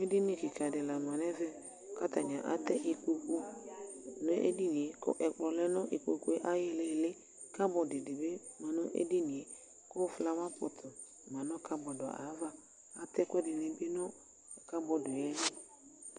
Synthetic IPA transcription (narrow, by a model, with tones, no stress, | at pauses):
me˦di˦ni˨ki˨ka˨dɪ˨la˨ma˨nɛ˦vɛ˦ | ka˦ta˨ɲa˨ʔa̰˦tɛ˦ʔi˨k͡po˦ko˦˨ | nʊ˦ʔḛ˦di˦ni˨e˨kɔ̰˦ʔɛ˨k͡plɔ˨lɛ˦nɔ˦ʔi˨k͡po˧ku˦e˦ʔa˦jɪ˧le˦˨lɪ˦ | ka˦bɔ˨dɪ˨dɪ˨be˦ | ma˨nʊ˦ʔḛ˦di˦ni˨e˨ | kʊ˦˨fla˦wa˦pʊ˨tʰʊ˨ | mã˨nɔ˦ka˦bɔ˨dɔ̰˨ʔa̰˨˦va˦ | a˦tɛ˦kʷɛ˦dɪ˨ne˨bɪ˦nɔ˦˨ | ka˦bɔ˨dʊ˨jɛ˦